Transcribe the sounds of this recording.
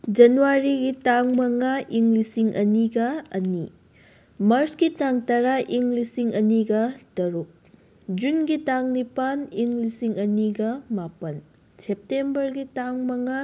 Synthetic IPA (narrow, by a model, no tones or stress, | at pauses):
d͡ʒɐnuwaɾiɡitaŋmɐŋaʔiŋlisiŋʔɐniɡɐɐni | mɐɾsɡitaŋtɐɾaʔiŋlisiŋɐniɡɐtɐɾuk̚ | d͡ʒunɡitaŋnipaniŋlisiŋɐniɡɐmapɐn | sep̚tembɐɾɡitaŋmɐŋa